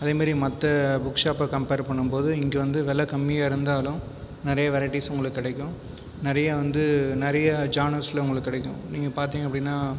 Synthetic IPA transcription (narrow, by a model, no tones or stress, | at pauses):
ɐðeːmaːd̪ɾimɐt̪ːɐbʊkʂaːpɐkɐmpeːɾpɐɳːɯmpoːðɯɪŋɡɛʋɐnd̪ɯʋɛlɐkɐmːijaːɪɾɯnd̪aːlʊ̃ | nɪɾɐjɐʋɛɾɐɪʈːisʊŋɡɐɭɯkːɪɽɛɪkːʊ̃ | nɪɾɐjɐʋɐnd̪ɯnɪɾɐjɐd͡ʒaːnɐɾslɐʊŋɡɐɭɯkːɪɽɛɪkːʊ̃niːŋɡɐpaːɾt̪iːŋɡɐpːɐɽɪnːaː